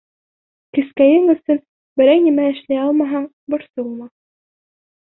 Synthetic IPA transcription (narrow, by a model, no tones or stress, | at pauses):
kɘ̆skæjɘŋɵ̆sɵn | bɘ̆ɾæjnimæɘ̆ʃlæjɑlˠmɑɦɑ | bɤ̆ɾsɤulˠmɑ